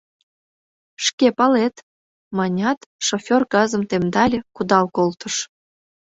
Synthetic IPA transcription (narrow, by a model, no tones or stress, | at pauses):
ʃkepɑlet̪ | mɑnʲɑt̪ʃofʲorkɑzə̆mt̪emd̪ɑlʲĕkud̪ɑwkolt̪əʃ